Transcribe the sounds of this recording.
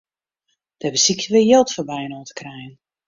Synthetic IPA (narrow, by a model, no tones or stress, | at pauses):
d̥əɛbəsiktəʋɪjɪlˠtfɔrbɛjənɔːtə̥krɛjən